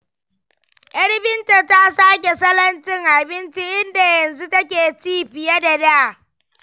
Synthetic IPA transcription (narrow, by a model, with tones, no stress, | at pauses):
ʔɐ˦ɽbɪ˦nta˨ta˦saː˦kʲe˨sɐ˦lɐ˦nt͡ʃɪ˦ŋʔa˨bɪ˦nt͡ʃi˦ʔɪ˦nda˨jɐ˨nzu˦tɐ˦k̬ʲeː˨t͡ʃiː˦ɸɪ˨ja˦da˨daː˦˨